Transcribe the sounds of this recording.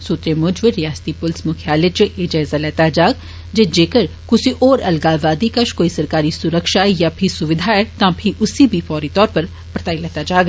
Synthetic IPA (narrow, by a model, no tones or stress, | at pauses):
sʊt̪ɾemʊd͡ʒʋeɾɪjaːst̪ipʊlsmʊkʰjaːlet͡ʃʔeːd͡ʒaːzalɛːt̪ad͡ʒaːɡ̚ | d͡ʒed͡ʒeːkəɾkʊsiʔɔːɾɐlɡaːʋaːd̪ikɐʃkoːisɐɾkaːɾisʊɾəkʃaːjaːpʰisʊʋɪd̪ʱaɛt̪ãːpʰiʔʊsibʱiːfɔːɾiːt̪ɔːɾpɐɾ | pɾət̪aːilɛːt̪ad͡ʒaːɡ